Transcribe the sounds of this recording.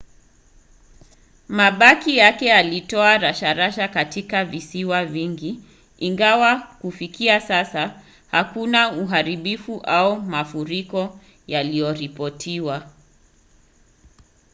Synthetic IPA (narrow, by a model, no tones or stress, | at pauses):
maɓakijakɛalitɔaɾaʃaɾaʃakatikavisiwaviŋɡi | iŋɡawakufikiasasa | hakunauɦaɾiɓifuʔaumafuɾikɔ | jalijɔɾipɔtʰiwa